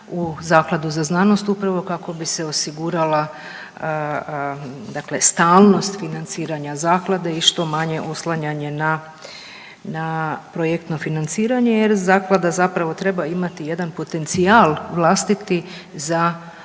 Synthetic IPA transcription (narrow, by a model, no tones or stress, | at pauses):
uzaːklˠad̪uzaznano̞st̪upɾaʋo̞kako̞bise̞o̞siɡuɾala | d̪akle̞st̪aːlˠno̞st̪finant̪siːɾaɲazaːklˠad̪eiʃt̪o̞maɲe̞ʔo̞slˠaɲaɲe̞na | napɾojekt̪no̞finant̪siːɾaɲe̞jeɾzaːklˠad̪azapɾaʋo̞t̪ɾe̞baimat̪ije̞d̪anpo̞t̪e̞nt̪sialˠʋlˠast̪it̪i | za